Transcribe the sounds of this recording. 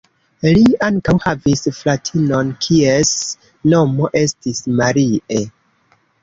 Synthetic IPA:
liaŋkawhavisflatʰino̞nkʰies | no̞mo̞ʔe̞stismaɾie

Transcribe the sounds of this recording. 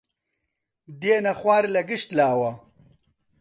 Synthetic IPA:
d̪eːnɐχwaːɾlɐɡiɕt̪laːwɐ

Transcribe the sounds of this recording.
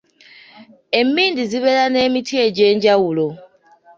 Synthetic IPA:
e̞mːiːndiziβe̞lane̞ːmitʰje̞ɟe̞ːɲɟawulo

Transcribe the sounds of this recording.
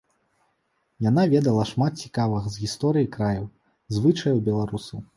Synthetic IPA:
janavʲɛd̪ɐlˠɐʂmat̪̚t͡sʲi̥kavɨɣɐzɣʲist̪ɔɾɨjikɾajɐw | zvɨt͡ʂɐjɛwbʲɛlˠaɾusɐ

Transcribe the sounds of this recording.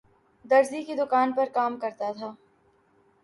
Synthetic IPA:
d̪ɐɾzikid̪ʊkaːnpɐɾkaːmkɐɾt̪at̪ʰaː

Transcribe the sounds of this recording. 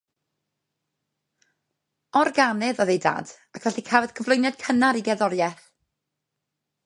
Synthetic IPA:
ɔrɡanɛðɔðejda̰ːd̥ | akʰv̥ɛɬikʰavɛð̥kʰəvlˠʊjnɛd̥kʰənaɾiɡɛðɔɾjɛθ

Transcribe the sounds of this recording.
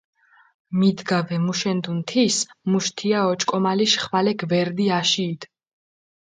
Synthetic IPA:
mid̪ɡavɛmuʃɛnd̪unt̪ʰismuʃt̪ʰiaɔt͡ʃʼkʼɔmaliʃχvalɛɡʰvɛɾd̪iaʃiːd̪̥

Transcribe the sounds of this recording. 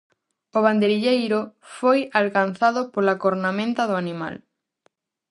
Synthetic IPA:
oβ̞and̪eɾiʎejɾʊfojalkan̟θaðʊpolakoɾnamẽnt̪ɐðoanĩma̰l

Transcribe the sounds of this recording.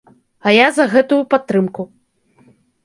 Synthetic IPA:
ɐjazɐɣɛt̪ujupat̪ːɾɨmku

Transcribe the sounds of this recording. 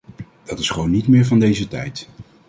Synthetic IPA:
d̥ɑtɪ̥sχəʋownːitmɪːɹvɑndejzətɛ̰jt

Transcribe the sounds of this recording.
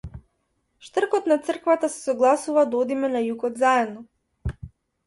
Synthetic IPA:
ʃt̪r̩kɔt̪nat̪sr̩kvat̪asɛ̥sɔɡlˠasuvad̪ɔd̪imɛnajukɔd̪zaɛd̪nɔ

